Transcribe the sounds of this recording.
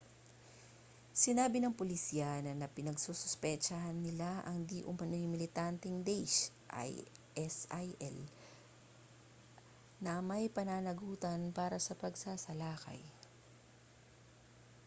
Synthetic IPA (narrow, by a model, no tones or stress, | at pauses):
sɪnaːbɪnɐŋpolɪsiːɐnɐnɐpɪnɐɡsusʊspɛt͡ʃɐhnɪlaʔɐŋd̪iʔʊmɐnojʊŋmɪlɪt̪ant̪ɛŋd̪ɛjʃ | ʔa̰jʔɛsajʔɛ̰l | nɐmɐjpɐnaːnɐɡuːt̪ɐnpaːɾɐsɐpɐɡsaːsɐlaːkɐ̰j